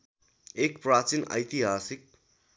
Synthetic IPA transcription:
ekprat͡sinʌ̰jt̪iɦasik̚

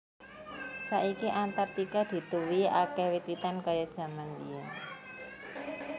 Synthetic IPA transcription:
saʔikiʔant̪art̪ikad̪̥i̤t̪uwia̰kɛwit̪ɾit̪ankajad̥ʒ̥ä̤mand̪ija

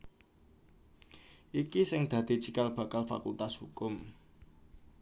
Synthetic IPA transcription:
ʔikisɪŋd̪̥ä̤d̪̥i̤t͡ʃikalb̥a̤kalfa̰kṵlt̪ashukʊm

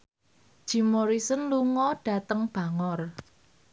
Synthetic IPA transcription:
d̥ʒ̥i̤moɾisənluŋɔɖ̥ä̤t̪əŋb̥a̤ŋɔr

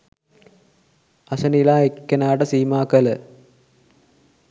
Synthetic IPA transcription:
ɐsɐnilaːekːɐnaːɖɐsiːmaːkɐlɐ

